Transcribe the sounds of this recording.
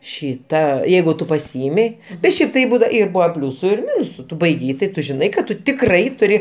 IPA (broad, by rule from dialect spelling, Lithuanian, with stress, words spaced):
ˈʃʲiːtɐ ˈjɛɪɡʊ ˈtʊ pɐˈsʲɪɪmʲɪ bʲɛt ˈʃʲɛɪp tɐɪ ˈbuːdɐ ɪr ˈbʊʋoː ˈpʲlʲuːsʊ ɪr ˈmʲɪnʊsʊ ˈtʊ bɐɪˈɡʲɛɪ tɐɪ ˈtʊ ʒʲɪˈnɐɪ kɐt ˈtʊ tʲɪkˈrɐɪ tʊˈrʲɪ